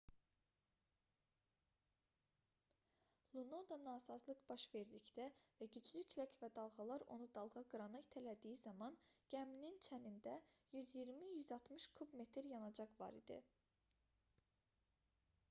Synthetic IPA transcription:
lˠunod̪ɑnɑːsɑzlˠɯqb̥ɑʃve̞ɾd̪icd̪ævæɟyd͡ʒlycʰlæcʰvæd̪ɑlˠɣɑlˠɑɾo̞̰nud̪ɑlˠʁɑɡɯɾɑnɯjt̪ʰælæd̪ijizɑmɑnɟ̥æmnint͡ʃʰænind̪æjyzjiɾmijyzɑlˠt̪ʰmɯʃkʰubme̞t̪ʰɾjɑnɑd͡ʒɑχvɑ̰ɾḭd̪ḭ

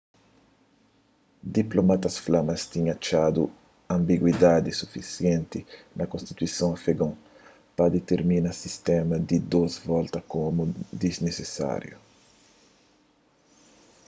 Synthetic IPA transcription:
d̪iplomat̪ɐsflamɐst̪iɲat͡ʃad̪ṵ | ɐ̃mbiɡwid̪ad̪isufisjɛ̃nt̪inɐkõst̪i̥t̪uisõafeɡõ | pɐd̪et̪eɾminɐsist̪ɛmɐd̪id̪ozvɔlt̪ɐkomud̪iznesesa̰ɾjṵ

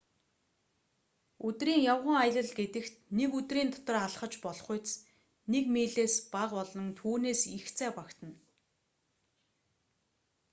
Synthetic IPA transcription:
ɵt̪riːŋjawʁə̆ŋaj̆ɮə̆ɮɡet̪ɘ̆xt̪nekɵt̪riːnt̪ʰɔ̥t̪ɞ̆raɮχə̆t͡ɕpɔɮ̆χʊjt͡s | nekmiːɮeːspaqɔɮɞ̆nt̪ʰuːneːsixt͡sʰæːpakt̪ʰə̆n

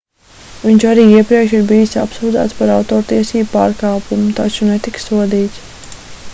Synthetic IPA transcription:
ʋiɲt͡ʃaɾiːiɛpɾiɛkʃiɾbijisa̰psuːd̪a̰ːt̪spaɾawt̪oːɾt̪iɛsiːbpaːɾkɑːpumut̪at͡ʃunet̪iksuɔd̪iːt̪s

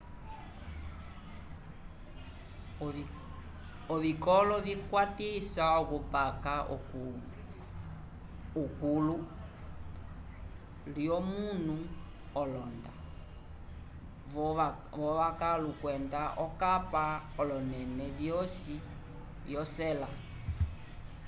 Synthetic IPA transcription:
ɔvikɔlɔvikwatisaɔkupakaɔku | ukulu | liɔmunu | ɔlɔnda | vɔβakalukwɛndaʔɔkapaɔlɔnɛnɛvjɔsi | vjɔsɛla

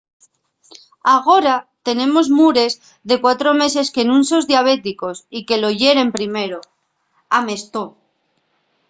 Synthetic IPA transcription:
aɣ̞o̞ɾat̪e̞ne̞mo̞zmuɾe̞z | ðe̞kwat̪ɾo̞me̞s̬e̞skenũnso̞zðjaβ̞e̞t̪iko̞sike̞lo̞ʝe̞ɾe̞mpɾime̞ɾo | ame̞st̪o

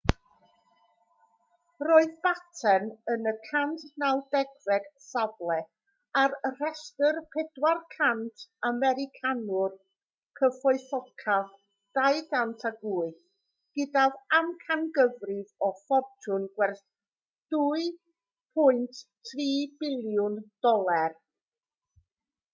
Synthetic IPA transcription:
roɨðbatʰɛnənəkʰantʰnawdɛɡvɛd̥sablˠɛ | arrɛstərpʰɛdwarkʰantʰamɛɾɪkʰanʊr | kʰəfɔɨθɔkʰað | d̥ajɡantʰaɡuɨθ | ɡ̥ɪdavamkʰanɡəvrɪvɔfɔrtʰʊnɡ̥wɛrθ | d̥uɨ | pʰʊɨntʰtʰriːbɪlˠjʊnd̥ɔlˠar

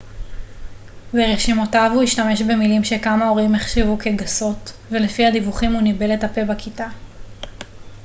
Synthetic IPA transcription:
veʁeʃimotavhuiʃtame̞ʃbe̞milimʃe̞kamao̞ʁimeχʃivukeɡaso̞tvelefihadivuχimunibe̞letape̞bakita

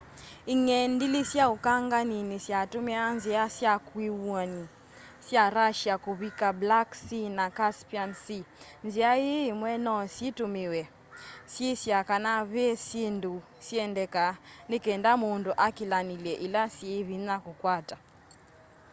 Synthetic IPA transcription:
iŋɛndilisjaukaŋɡaninisjatumianziasjakwiwɔni | sjaɾaʃjakuβikablaksinakaspiansi | nziajemwɛnɔsitumɪwɛ | sjesjakanaβesendu | sjɛndɛkanekɛndamondoʔakilanilɛʔilasjeβinakukwata

